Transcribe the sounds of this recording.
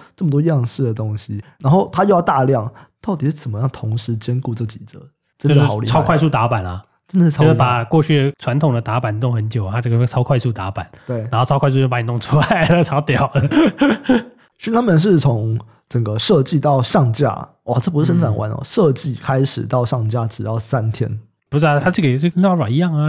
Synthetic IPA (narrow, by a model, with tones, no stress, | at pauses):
ʈ͡ʂə˥˩mə˩t̪wɔ˥jɑ˥˧ŋʂɻ̩˥˩d̪ə˩t̪ʊ˦˥ŋɕi˦na˧˥nxo˥˩ʊt̪ʰa˥jo˥˧jɑ˥˧ʊt̪a˥˧ljɑ˥˩ŋ | t̪ɑ˥˩ʊt̪i˨˩ʂɻ̩˥˩t͡sə˨˩mə˦jɑ˥˩ŋt̪ʰʊ˧˥ŋʂɻ̩˧˥t͡ɕjɛ˥nku˥˧ʈ͡ʂɤ˥˩t͡ɕi̥˨˩d͡zə̰˧˦ | ʈ͡ʂə˦˥˧xʊlḭ˨ɑ˥kʰwa˥˧ɪsu˥˩t̪a˧˥pa˨˩nɐ˨˩ | ʈ͡ʂə˥nd̪ə˨˩ʂ̩ʰ˥˩˥pa˨˩kwɔ˥˧t͡ɕʰy˥˩ʈ͡ʂʰwa˧˦nt̪ʰʊ˨˩ŋd̪ə˦t̪a˧˥pa˨˩nt̪ʊ˥˧ŋxə˧˦nt͡ɕjo˨˩ʊ˩a˥ʈ͡ʂɤ˥˩ɡə˧˩t͡sʰɑ˥ʊkʰwa˥˧ɪsu˥˩t̪a˧˥pa˨˩˦nt̪we˥˩ɪ˧nxo˥˩ʊɑ˥kʰwɪsu˥˧˥pa˧˥ni˨˩t̪ʊ˥˧ŋʈ͡ʂʰu˥la˨˩ɪɪə˧ʈ͡ʂʰɑ˨˥ʊt̪jɑ˨˩˦ʊ | ɕi˥t̪ʰa˥mə˨nʂ̬ɻ̩˥˩t͡sʰo˧˥ŋ | ʈ͡ʂə˨˩ŋɡə˦ʂɤ˥˧t͡ɕi˥˧t̪ɑ˥˩ʊʂɑ˥˩ŋt͡ɕja̰˥ | wɔ˨˩ʈ͡ʂpu˥ʂɻ̩˥˩ʂə˧˥nʈ͡ʂʰa˨˩nwʔa̰˧˥nə̰˧ʂɤ˥˧t͡ɕi˥˩kʰa˥ɪʂɻ̩˨˩t̪ɑ˥˧ʊʂɑ˥˨˩ŋt͡ɕja˥ʈ͡ʂɻ̩˨˩t̪ɑ˥˩ʊsa˦˥nt̪ʰjɛ̰˥n | pu˧˥a˧˩t̪ʰa˥ʂʰi˥˩ke˨˩ɪ˥˩ɡə˧˥nɑ˥wa˨˩i˧˥jɑ˥˩ŋə˨